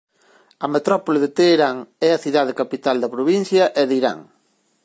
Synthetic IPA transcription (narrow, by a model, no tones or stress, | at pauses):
ɐmet̪ɾɔpoleðet̪eːɾaŋɛɐθiðaðekapit̪ald̪ɐpɾoβin̟θjɐʔɛðiɾa̰ŋ